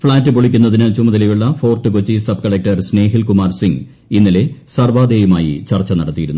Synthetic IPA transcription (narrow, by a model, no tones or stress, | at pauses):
fɭaːtːɨpoɭikʲːunːɐðinɨt͡ɕumːɐðɐlejuɭːɐfo̞ːrʈːɨkot͡ɕːisɐb̚kɐɭek̚ʈɐrsne̞ːɦilkumaːrsiŋ | inːile̞sɐrʋaːd̪eːjumaːjḭt͡ɕɐrt͡ɕːɐnɐɽɐt̪ːijiɾunːu